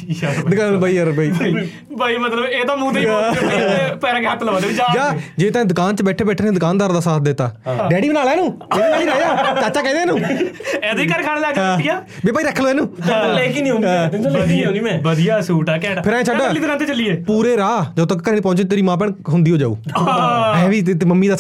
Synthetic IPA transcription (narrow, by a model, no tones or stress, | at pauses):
d̪ʊkaːnbaːiːəɾbaiː | baːimət̪ləbeːt̪ãːmũːt̪e | pɛːɾãːkeɦət̪ʰːləʋãːeid͡ʒaːd͡ʒaːd͡ʒeːt̪ɛ̃d̪ʊkaːnt͡ʃəbɛːʈʰeːbɛːʈʰːnẽːd̪ʊkaːnd̪aːɾd̪aːsaːt̪̚ʰd̪et̪a̰ːɖɛːɽiːbənaːlɛːnũːeːiːɾaːjaːt͡ʃat͡ʃaːkɛ̃ːd̪eːnũːɛ̃ːd̪ikəɾkʰaːɽ̃aːlɛːd͡ʒɡjaː | beːpaːiːɾəkʰːəloːɛ̃ːnũːlekiːnĩːõːd̪õiːmɛ̃ːbəd̪ijaːsuːʈaːkɛ̃ːʈːpʰɪɾaːẽːt͡ʃʰəɖaːliːd̪kãːnt̪eːt͡ʃəliːeːpuːɾeːɾaːd͡ʒət̪əkkːəɾiːniːpɔ̃ːt͡ʃeːt̪eːɾiːmãːp̬ɛːɳɦʊ̃nd̪iːɦoːd͡ʒa̰ːṵː | ɛːʋiːt̪et̪ːməmːiːd̪aː